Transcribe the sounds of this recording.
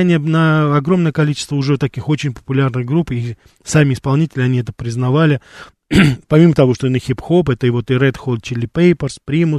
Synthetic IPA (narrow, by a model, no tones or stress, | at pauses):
nʲɪjənəɐɡɾo̞mnəjəkɐlʲit͡ɕɪ̥st̪vəʊʐɛt̪ɐkʲixo̞t͡ɕɪnʲpə̥pʊlʲarnɨxɡɾupi | samʲɪɪspɐlˠnʲitʲɪlʲɪɐnʲiɛt̪əpɾʲɪznɐvalʲɪ | pɐmʲimət̪ɐvo̞ʂt̪onəxʲipxo̞pɛt̪əɪvo̞t̪ɨɾɛt̪xolˠd̪̚t͡ɕɪlʲɪpejpərspɾʲimʊs